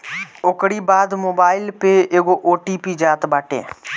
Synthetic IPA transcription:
okɽibaːd̪moːbaːɪlpeeːɡoʔoːʈiːpid͡ʒaːt̪baːʈḛ̃ː

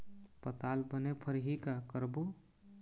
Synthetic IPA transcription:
pət̪albənepʰəɾɦikakəɾbu

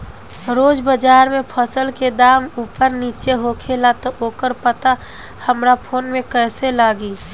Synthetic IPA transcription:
ɾoːd͡ʒbəd͡ʒaːɾmẽpʰəsəlked̪aːmuːpəɾniːt͡ʃeɦoːkʰelat̪ɔʔoːkəɾpət̪a | həmɾapʰoːnmẽkəːselaːɡiː

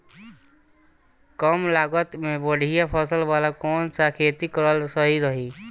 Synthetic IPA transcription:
kəmlaɡət̪mebəɽʱijapʰəsəlʋalakɔːnsakʰet̪ikəɾəlsəɦiɾəɦi

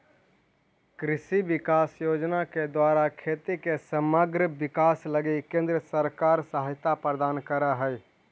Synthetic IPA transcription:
kɾɪʃibɪkaːsjoːd͡ʒnaked̪waːɾakʰeːt̪ikesəməɡɾəbɪkaːsləɡikẽːnd̪ɾəsəɾkaːɾsaɦɪt̪apɾəd̪aːnkəɾaɦəj

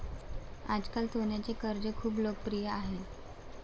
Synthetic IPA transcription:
ad͡zkalt̪oɳjat͡ɕekəɾd͡ʑekʰuːblok̚pɾijəaɦe

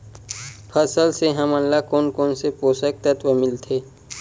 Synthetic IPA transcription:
pʰəsəlseɦəməlːakɔːnkɔːnsepoːsək̚t̪ət̪wəmɪlt̪ʰeː

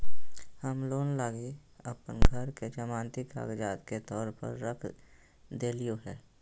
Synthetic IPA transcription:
həmloːnlaːɡiəpənɡʱəɾked͡ʒəmaːnt̪ɪka̰ːɡd͡ʒaːd̪ket̪ɔːɾpə̰ɾːəkʰ | d̪eːlijoɦɛː

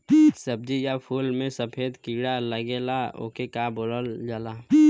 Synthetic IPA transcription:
səb̚d͡ʒijapʰuːlmẽsəpʰeːd̪kiɡɽaləɡeːlao̰ːkekaːboːləld͡ʒaːla

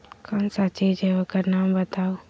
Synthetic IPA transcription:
kɔːnsat͡ʃiːd͡ʒɦɛʋokəɾnaːmbət̪aːo

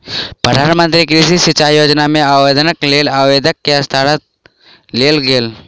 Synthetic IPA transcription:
pɾəd̪ʱaːnmənt̪ɾikɾisisɪt͡ʃaɾjoːd͡ʒnamẽaːʋed̪ənəkleːlaːʋed̪ʱəkːest̪ʰaɾət̪̚ | leːlɡeːl

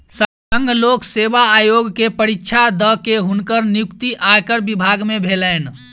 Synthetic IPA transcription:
sə | əŋɡʱloksebaːjoɡkepəɾitːʃʰad̪əkeɦunkəɾnjukt̪iʔakəɾbibʱaɡmebʱelən

